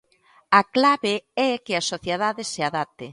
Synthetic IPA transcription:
aklaβeɛkɪasoθjeðaðɪseaðap̚t̪e

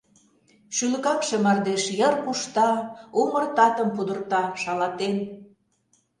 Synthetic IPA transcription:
ʃylə̆kɑkʃemɑrd̪eʃjərkuʃt̪ɑumərt̪ɑt̪əmpud̪ə̆rt̪ɑʃɑlɑt̪en

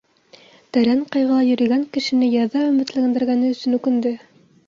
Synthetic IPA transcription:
t̪æɾæɴqɑjʁɑɑjɵ̆ɾɘ̆ɡæŋkɘ̆ʃɘ̆nɘjɑðɑɵmɘ̆t̪lɘ̆ɘ̆nd̪ɘ̆ɾɡænɘɵ̆sɵ̆nʉkɘ̆nd̪ɘ

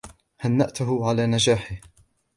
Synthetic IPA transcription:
hanːaʔt̪ʊɦʊʕalaːnad͡ʒaːħɪh

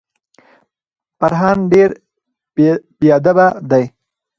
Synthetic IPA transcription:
paɾɦɑnɖeɾ | pjɑd̪abad̪aj

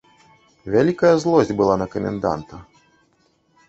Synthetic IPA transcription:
vʲalʲikɐjɐzlˠɔzʲbɨlˠanɐkɐmʲɛ̰nd̪a̰nt̪ɐ

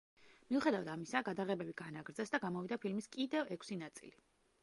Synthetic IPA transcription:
miuχɛd̪avad̪amisaɡad̪aʁɛbɛbiɡ̥anaɡɾd̪zɛsd̪aɡamɔvid̪apʰilmiskʼid̪ɛvɛkʰsinat̪sʼḭli

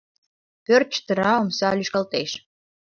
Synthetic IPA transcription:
pør̚t͡ʃt̪əɾɑomsɑlʲyʃkɑlˠt̪ejʃ

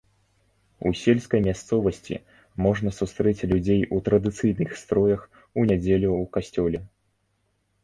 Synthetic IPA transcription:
usʲelʲskɐjmʲast̪sɔvɐsʲt͡sʲḭ | mɔʐnɐsust̪ɾɛt͡sʲlʲud͡zʲejut̪ɾɐd̪ɨt̪sɨjnɨxst̪ɾɔjɐx | unʲad͡zʲelʲuukasʲt͡sʲɔlʲɛ

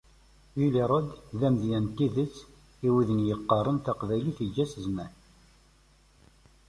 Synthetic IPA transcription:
iliɾˤɑd̪ðæmðjænt̪ːiðət͡sː | iwiðənjəqːərˤːənθɑqvæjliθid͡ʒːæsəzmæn

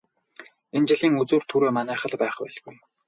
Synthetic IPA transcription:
ent͡ɕɪ̆ɮiːŋɵt͡suːrt̪ʰuɾeːmanæːχə̆ɮpæːχpæ̰ːɮɡuj

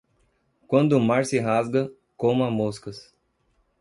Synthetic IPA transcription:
kwɐ̃nd̪ʊʊmaɾsɪɦazɡɐ | kõmamoskɐs

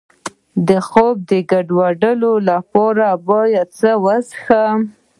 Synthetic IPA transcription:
d̪əxob̚d̪əɡaɖwaɖəlolapɔɾabɑjat͡səwazxa

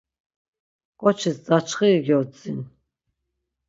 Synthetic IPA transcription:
kʼɔt͡ʃʰisd͡zat͡ʃʰχiɡiɔt͡sʼin

